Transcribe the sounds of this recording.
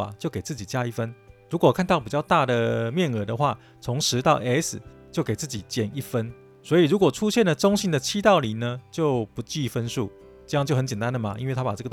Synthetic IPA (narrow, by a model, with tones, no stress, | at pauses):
a̰˨˩t͡ɕjo˥˩ke˨˩ɪt͡sɹ̩˥˩t͡ɕi˨˩t͡ɕja˦˥i˥˩fə˦nɻu˧˦˥kwɔ˨˩kʰa˥˧nt̪ɑ˥˩ʊpi˨˩t͡ɕjɑ˥˧ʊt̪a˥˩d̪ə˨˩mjɛ˥˩nɤ˧˩d̪ə˧xwa˥˩ | t͡sʰʊ˧˥ŋʂɻ̩˧˦t̪ɑ˥˧ʊʔɛ˥sɨ˨˩t͡ɕjo˥˩ʊke˨˩ɪt͡sɹ̩˥˩t͡ɕi˨˩t͡ɕjɛ˥˩ni˥˩fə˦n | swɔ˧˥i˨˩ɻu˧˥kwɔ˨˩ʈ͡ʂʰu˦˥ɕjɛ˥˨nlə˨ʈ͡ʂʊ˥ŋɕi˧˥nd̪ə˨t͡ɕʰi˥t̪ɑ˥˩ʊli˨˩nə˧t͡ɕjo˥˩ʊpu˨˦˥t͡ɕi˥˩fə˦nʂṵ˥˩ | ʈ͡ʂɤ˥˧jŋt͡ɕjo˥ʊxə˦nt͡ɕjɛ˨˩nt̪a˦nd̪ə˨ma˨˩ʔḭ˥nwe˥˩ɪt̪ʰa˥pa˨˩ɤ˥˩ɡə˩